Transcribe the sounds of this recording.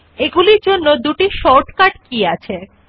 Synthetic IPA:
eɡuliɾd͡ʑonːod̪uʈiʃɔʈkaʈkiat͡ɕʰe

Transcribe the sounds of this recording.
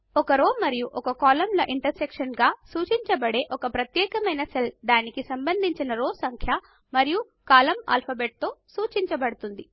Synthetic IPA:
ɔkɐɾoːmɐɾijuʔɔkɐkaːlɐmlɐʔiɳʈɐɾsekʂɐnɡaːsuːt͡ʃiɲt͡ʃɐbɐɽe̞ːʔɔkɐpɾɐt̪jɛːkɐmɐjnɐsɐld̪aːnikisɐmbɐnd̪ʱiɲt͡ʃinɐɾoːsɐŋkʰjɐ | mɐɾiju | kaːlɐma̰ːlpʰɐbeːʈ̚t̪o̞ːsuːt͡ʃiɲt͡ʃɐbɐɽut̪und̪i

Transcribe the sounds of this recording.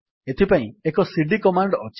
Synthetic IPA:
et̪ʰipaĩekɔsiɖikɔmaɳɖɔɔt͡ʃ

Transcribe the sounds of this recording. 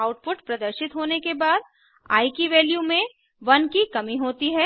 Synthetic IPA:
aːʊʈ̚pʊʈpɾɐd̪əɾʃɪt̪ɦoːnekebaːd̪̚ | a̰ːikiʋeːljumẽ | ʋɐnkikɐmiɦoːt̪iɦɛː

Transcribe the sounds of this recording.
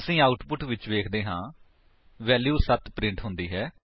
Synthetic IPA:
əsĩːaːʊʈpʊʈʋɪt͡ʃʋeːkʰd̪eːɦãː | ʋɛːljuːsət̪pɾɪ̃ɳʈɦʊnd̪iːɦɛː

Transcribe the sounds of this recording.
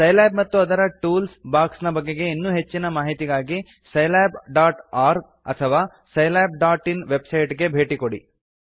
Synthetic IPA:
sɐjlaːbmɐt̪ːuɐd̪ɐɾɐʈuːlsbaːksnɐbɐɡːe̞ɡe̞inːuːɦe̞t͡ʃːinɐmaːɦit̪iɡaːɡi | sɐjlaːbɖaːʈaːɾ | ɐ̰t̪ʰɐʋaː | sɐjlaːb̚ɖaːʈinʋebsɐjʈɡe̞bʱe̞ːʈikoɽḭ

